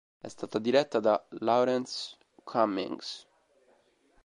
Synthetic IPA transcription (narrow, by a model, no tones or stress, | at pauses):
ɛ̰st̪aːt̪ad̪iɾɛt̪ːad̪alawɾɛns | kʰamːḭŋs